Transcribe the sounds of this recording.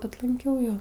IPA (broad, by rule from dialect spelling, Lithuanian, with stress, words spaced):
ɐtˈlˠɐŋʲkʲɛʊ ˈjoː